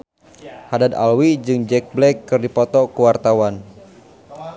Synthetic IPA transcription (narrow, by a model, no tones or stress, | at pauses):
hadad̪a̰lwid͡ʒɨŋd͡ʒɛk̚blɛkːɨrdipɔt̪ɔkuwart̪awan